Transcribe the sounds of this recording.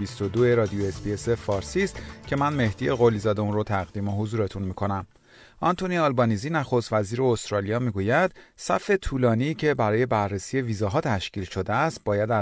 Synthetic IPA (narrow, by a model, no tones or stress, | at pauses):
ist̪o̞d̪oeɾɒːd̪ioesbiesefɒːɾsiːst̪cʰe̞mænme̞hd̪ije̞ɣo̞lizɒːd̪eunrot̪ʰæɣd̪iːmo̞ɦozuːɾe̞t̪ʰunmiːkʰo̞næm | ʔɒnt̪ʰoniɒlbɒniziːnæxo̞st̪væziːɾeost̪ɾɒːlijɒːmiːɡuːjæd̪̥sæ̰fe̞t̪ʰuːlɒːniːcʰe̞bæɾɒːje̞bæɾːesiːje̞viːzɒɦɒːt̪ʰæʃciːlʃo̞d̪eæst̪̚bɒːjæd̪æ